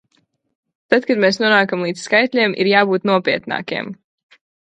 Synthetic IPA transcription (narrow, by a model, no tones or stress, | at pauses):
t̪at̪kad̪mɛːsnuɔnaːkamlˠiːd̪sskajt̪ʲlʲiɛmʔḭɾjaːbuːt̪nuɔpiɛt̪na̰ːkʲḭɛm